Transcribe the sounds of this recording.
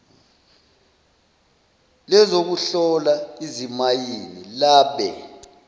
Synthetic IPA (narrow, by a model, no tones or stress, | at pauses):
lɛzok̬uɬɔlaizimajinilaːɓɛ